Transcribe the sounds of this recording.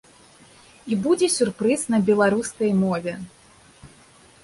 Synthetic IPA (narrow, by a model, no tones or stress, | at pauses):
ibud͡zʲɛsʲurpɾɨsnɐbʲɛlˠaɾuskɐjmɔvʲɛ